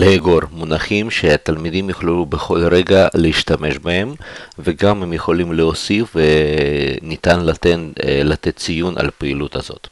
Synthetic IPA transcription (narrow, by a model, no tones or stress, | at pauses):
leheɡoɾmunaχimʃeat̪almid̪imjuχluubeχo̞lɾeɡaleiʃt̪ame̞ʃbahemveɡamhemjeχo̞limleosifve | nit̪anlat̪enlat̪et̪̚t͡sijunʔa̰lpeilut̪a̰zo̞̰t̪